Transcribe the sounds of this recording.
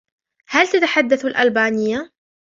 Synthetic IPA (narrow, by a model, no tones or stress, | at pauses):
halt̪at̪aħad̪ːaθʊlʔalbaːnɪjːa